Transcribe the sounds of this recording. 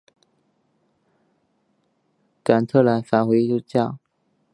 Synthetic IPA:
ka˨˩nt̪ʰɤ˥˩la˧˥nfa˨˩nxwe˧˥ɪi˥˩u˥˧t͡ɕjɑ˥˩ʊ

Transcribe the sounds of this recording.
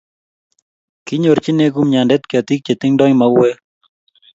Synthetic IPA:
kɪ˦ɲo˨ɾt͡ʃɪ˦ne˦ɡu˦mɲa˨ndɛ˦t̪kɪa˨t̪i˦k̚t͡ʃe˨t̪ɪ˦ŋdɔ˦ŋma˨we˦

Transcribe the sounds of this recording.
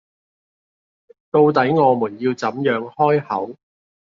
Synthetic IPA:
t̪o˧wt̪ɐ˨˥jŋɔː˨˧muː˨˩njiː˧wt͡sɐ˨˥mjœː˨˧ŋhɔː˥jhɐ˨˥w

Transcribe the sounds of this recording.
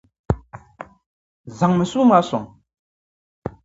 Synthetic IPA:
za˨ŋmə˨su˦ma˦sɔ̰˨ŋ

